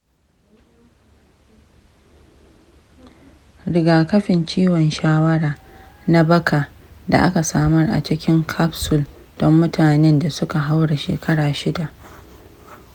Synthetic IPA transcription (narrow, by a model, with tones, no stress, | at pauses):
ɽɪ˨ɡaː˨kɐ˦ɸɪ˨nt͡ʃiː˦wɔ˨nʃaː˦wɐ˦ɽaː˨ | na˦bɐ˦kʰa˨ | da̰˨ʔa̰˦ka˨saː˦mɔ˦rʔa̰˨t͡ʃɪ˦kʲɪ˦ŋkʰa˦psʊ˨l | d̥ɔ˦mːʊ˦taː˨nɛ˦nda˨sʊ˦ka˨ɦa˦wɽa˨ʃḛː˨kɐ˦ɽaː˨ʃɪ˦da˨ʔ